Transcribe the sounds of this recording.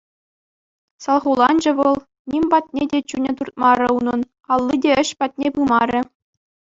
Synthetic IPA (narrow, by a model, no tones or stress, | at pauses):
sɑlˠʁulˠɑnd͡ʑɘ̆ʋɤ̆lˠ | nʲimʲbɑt̚ʲnʲedʲet͡ɕunʲɘ̆t̪urt̪̚mɑɾʲɘ̆unɤ̆n | ɑlˠːidʲeɘ̆ɕpɑt̚ʲnʲepɯmɑɾʲɘ̆